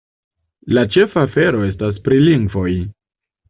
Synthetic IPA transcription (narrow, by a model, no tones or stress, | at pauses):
lat͡ʃe̞faːfe̞ɾo̞e̞stas̬pɾiliŋɡvo̞j